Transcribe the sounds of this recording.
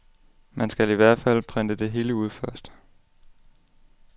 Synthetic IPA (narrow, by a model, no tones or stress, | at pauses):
mænsɡ̥æliʋæɐ̰d̥fæl̰pʰʁɛnd̥əd̥e̝ɦe̝ːləuð̞̰ˠfɶɐ̰sd̥